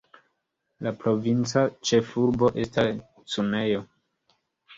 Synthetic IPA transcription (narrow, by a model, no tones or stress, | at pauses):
lapɾo̞vint͡sat͡ʃe̞fuɾbo̞ʔe̞stas | sume̞jo̞